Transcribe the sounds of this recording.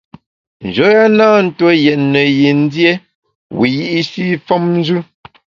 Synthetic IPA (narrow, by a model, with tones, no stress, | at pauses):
n̩˨d͡ʒo˨˦ja˦naː˦n̩˦twə˦jɛ˨tnə˨je˨n̩˦dje˦ | wi˨ji˦ʔi˦si˦fɔ˦mn˦d͡ʒʉ˦